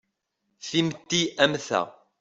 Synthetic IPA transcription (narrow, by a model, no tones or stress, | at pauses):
θimt̪ːiæmθæ̰